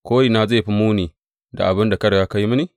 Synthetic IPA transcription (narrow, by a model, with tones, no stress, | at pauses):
koː˦ɾi˨na˦ze˦˨ɸi˦mu˦ni˨ | da̰˨ʔa˨bɪ˦nda˨kɐ˦ɽja˦ka˦ji˦mi˦ni˦˨